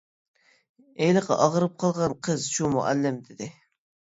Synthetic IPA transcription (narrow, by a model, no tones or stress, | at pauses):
ejlˠɨqɑ̰ʔɑʁəɾɨp̚qʰɑlˠʁɑnqʰəzʃumṵʔælːɪmd̪ɪd̪ɪ